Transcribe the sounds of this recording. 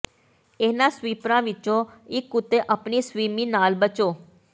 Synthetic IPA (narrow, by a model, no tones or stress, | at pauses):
eːnãːsʋiːpɾãːʋɪt͡ʃõːɪkːʊt̪ːeʔəpniːsʋiːmiːnaːlbət͡ʃoː